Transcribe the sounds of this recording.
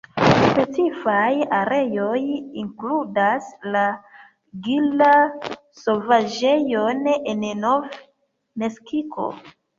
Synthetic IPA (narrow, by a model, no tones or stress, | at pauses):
spe̞t͡sifajaɾe̞jo̞jiŋkludasla | ɡila | so̞vad͡ʒe̞jonennov | me̞skikʰo̞̰